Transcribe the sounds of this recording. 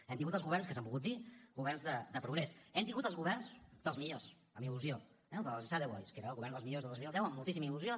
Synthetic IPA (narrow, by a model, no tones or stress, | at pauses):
ɛmt̪iŋɡut̪əlzɣuβɛɾrnskəs̬əmbulˠɣut̪̚d̪iɡuβɛrnzðəd̪əpɾuɣɾɛsɛmt̪iŋɡut̪əlˠzɣuβɛrnzd̪əlˠzmiʎos | əmiluzio | ɛzəlzsaðɛwɔ̰jskeɾəːlɣuβɛɾnd̪əlˠzmiʎozðəozmilˠd̪ɛwəmːulˠt̪is̬iməiluzjo